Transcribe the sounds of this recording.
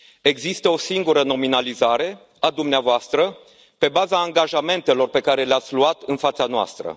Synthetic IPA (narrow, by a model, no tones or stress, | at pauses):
e̞ɡzist̪əo̞siŋɡuɾəno̞minalizaɾe̞ | ad̪umneavoast̪ɾə | pe̞bazaːŋɡaʒame̞nt̪e̞lo̞rpe̞kaɾe̞leat̪sʲluat̪ɨnfat̪sanoa̰st̪ɾə̰